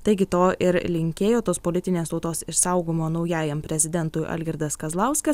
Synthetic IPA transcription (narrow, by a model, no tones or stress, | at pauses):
t̪ɐɪɡʲɪt̪oːʔɪɾlʲɪŋʲkʲeːjoːt̪oːspoːlʲɪt̪ʲɪnʲeːst̪ɒʊt̪oːsɪʃsɐʊɡoːmoːnɒʊjæːjɛmpʲɾʲɛzʲɪd̪ʲɛnt̪ʊjʔɐ̰lʲɡʲɛɾd̪ɐskɐzlˠɑʊsʲkɐs